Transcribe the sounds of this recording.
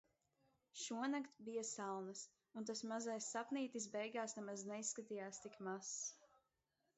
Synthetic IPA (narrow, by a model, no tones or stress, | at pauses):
ʃuɔnakt̪bijasalˠnɐs | unt̪asmazajsːapniːt̪is̬bɛjɡaːsnɛmaznɛisːkat̪ijaːst̪ikmas